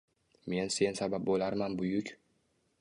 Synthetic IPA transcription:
me̞nse̞nsabap̚bolaɾmanbʊjʊkʲ

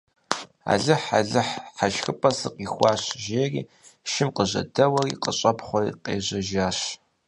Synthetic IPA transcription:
a̰ːɮɨħa̰ɮɨħħaʃxɨpʼɐsɨqixʷɑːɕʒeːrḭː | ʃɪmqəʑɐ̰dɐwɐrḭːqəɕʼɐpχʷɔrḭqeːʑɐʒaːɕ

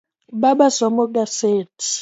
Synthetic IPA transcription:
ɓaɓasɔmɔɡ̬ʼaseːtʰi̥

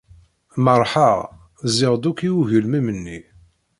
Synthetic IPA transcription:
məɾˤħaʁ | zɪʁd̪ukːiuʝəlmimənːi

